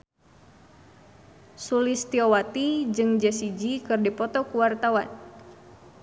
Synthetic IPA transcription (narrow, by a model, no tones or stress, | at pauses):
sulist̪iowat̪id͡ʒɨŋd͡ʒɛsid͡ʒikɨrdipɔt̪ɔkuwart̪awan